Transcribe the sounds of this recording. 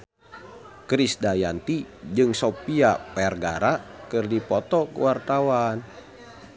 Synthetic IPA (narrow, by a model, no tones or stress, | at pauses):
kɾisdajant̪id͡ʒɨŋsopiapɛrɡaɾakɨrdipɔt̪ɔkəwart̪awan